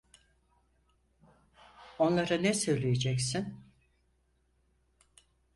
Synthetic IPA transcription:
o̞nlˠaɾanɛsø̞jlʲejed͡ʒɛcsin

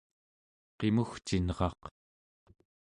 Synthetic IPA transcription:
qe̞muxt͡ʃinʁɑq

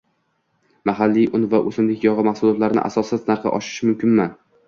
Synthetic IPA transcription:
maɦalːijʔʊnvaʔɵsɪmlɪkʲjɒʁɨmahsʊlˠɒt̪laɾɪnɪ̰ʔa̰sɒsɪznaɾqɨ̰ʔɒ̰ʃɪ̥ʃɪmʊmkʲʰɪnma

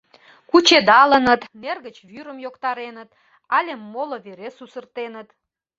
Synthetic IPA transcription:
kut͡ɕed̪ɑlənət̪nerɣət͡ɕβyɾəmjokt̪ɑɾenət̪ | ɑlʲemːoloβeɾesusərt̪enət̪

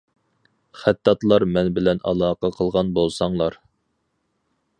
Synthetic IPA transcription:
χæt̪ːɑt̪lˠɑɾmɛnbɪlɛnʔɑ̰lˠɑːqʰɑqʰəlˠʁɑnbolˠsɑŋlˠɑɾ

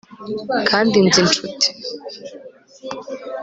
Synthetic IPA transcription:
kʰaːnd̪ind͡zɨnʈ͡ʂʰutʰː

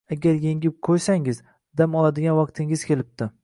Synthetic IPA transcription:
aɡʲaɾjeŋʲɪp̚qʰojsaŋɪz | d̪amɒlˠad̪ɪɡʲanwɑq̚t̪ʰɪŋɪzkʲʰe̞lɪp̚t̪ɪ

